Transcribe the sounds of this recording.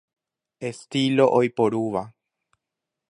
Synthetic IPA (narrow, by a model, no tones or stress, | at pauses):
est̪ilo̞ʔojpoɾuʋa